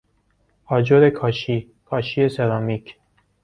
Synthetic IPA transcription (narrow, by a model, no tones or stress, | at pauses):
ɒːd͡ʒoɾekʰɒːʃiː | kʰɒːʃieseɾɒːmikʰ